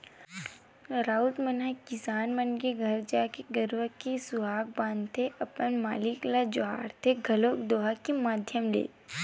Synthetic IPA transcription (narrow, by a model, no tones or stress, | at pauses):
ɾaːulʈmənakisaːnmənkeɡʱɐɾd͡ʒakeɡəɾʋəkːisuɦaːk̚bãːnd̪t̪ʰeʔɐpənmaːliklad͡ʒoɦa̰ːɽt̪ʰeɡʱɐloːkd̪oːɦakimaːd̪ʱjəmlḛː